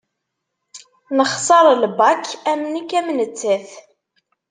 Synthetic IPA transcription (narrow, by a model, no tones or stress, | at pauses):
nəχsˤɑɾˤlbɑkːæmnikːæmnət͡sːæθ